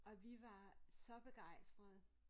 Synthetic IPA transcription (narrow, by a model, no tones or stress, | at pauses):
ɒ̽ʋiʋɑ̈sɒ̽b̥e̝ɡ̥ɑ̈ɪ̰sd̥ʁɐð̩ˠ